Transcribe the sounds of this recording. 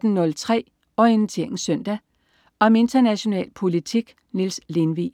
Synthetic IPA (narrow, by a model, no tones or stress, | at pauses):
d̥n̩ːɔ̽lt͡sʰʁɛ̰ː | ɒe̝n̩t͡sʰḭŋ̩sœn̰d̥æ | ɒ̽me̝nd̥ɐnæɕo̝nɛ̰ːlpʰo̝lit͡sʰiɡ̥ | nilsle̝nʋḭː